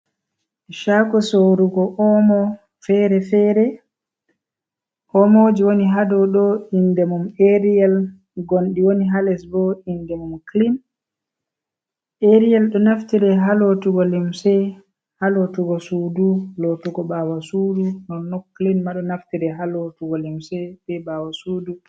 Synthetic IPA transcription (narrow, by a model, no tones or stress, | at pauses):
ʃaɡɔsoɾuɡɔʔɔmɔ | fɛɾɛfɛɾɛ | ʔɔmod͡ʒiwoniɦadɔɗɔindɛmumeɾiɛl | ɡonɗiwoniɦalɛsbɔindɛmumklin | ʔeɾialɗɔnaftiɾɛɦalotuɡɔlimsɛ | halotuɡɔsudulotuɡɔbawasudunɔnːɔkːlinmaɗɔnaftiɾɛɦalotuɡɔlimsɛbɛbawasuːdu